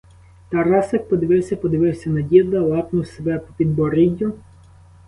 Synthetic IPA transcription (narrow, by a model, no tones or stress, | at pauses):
t̪ɐɾɑsɐk̚pɔd̪ɪʋɪwsʲɐpɔd̪ɪʋɪwsʲɐnɐdʲid̪lˠɐlˠɑpnʊwsebɛpɔpʲid̪̚bɔɾidʲːʊ